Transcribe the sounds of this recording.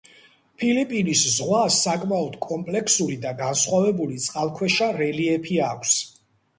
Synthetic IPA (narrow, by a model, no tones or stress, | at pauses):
pʰilipʼiniszʁwasːakʼmaɔd̪̥kʼɔmpʼlɛkʰsuɾid̪aɡansχwavɛbulit̪sʼqʼalˠkʰwɛʃaɾɛliɛpʰiakʷʰs